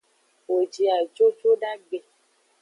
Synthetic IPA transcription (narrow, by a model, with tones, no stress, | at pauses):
wo˨d͡ʒi˨a˨d͡ʒo˦t͡ʃo˦ɖa˦ɡ͡bɛ˨